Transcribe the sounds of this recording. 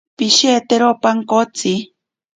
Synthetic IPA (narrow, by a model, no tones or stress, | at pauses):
piʃet̪eɾopaŋkot͡si